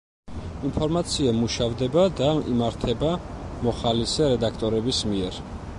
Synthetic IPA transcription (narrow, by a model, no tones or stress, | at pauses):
inpʰɔɾmat̪sʰiamuʃavd̪ɛbad̪aḭmaɾt̪ʰɛbamɔχalisɛɾɛd̪akʰt̪ʼɔɾɛbismiɛɾ